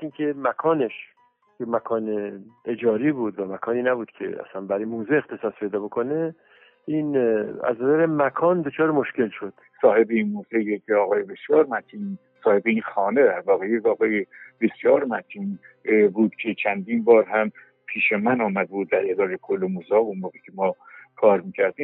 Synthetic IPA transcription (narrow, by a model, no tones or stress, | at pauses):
incʰemækʰɒːne̞ʃ | jemækʰɒːneed͡ʒɒːɾiːbuːd̪væmækʰɒːniːnæbuːd̪̥kcʰḛæ̰sænbæɾimoːzue̞xt̪ʰe̞sɒːspʰe̞jd̪ɒːbo̞kʰo̞ne | iːnæ̰znæzæɾemækʰɒːnd̪o̞t͡ʃʰɒːɾemo̞ʃce̞lʃo̞d̪̥sɒːhe̞beinmoːzejekʰeɒːɣɒːjebe̞sjɒːɾmæt̪ʰiːn | sɒːhe̞beiːnxɒːned̪æɾvɒːɣejekɒːɣɒːjeb̥esjɒːɾmæt̪ʰin | buːd̪̥cʲʰe̞t͡ʃʰænd̪iːnbɒːɾɦæm | pʰiːʃemænɒːmæd̪ebuːd̪̚ːæɾed̪ɒːɾekʰolːemozɒːunmoːɣecʲʰemɒːkʰɒːɾmiːcʰæɾd̪iːm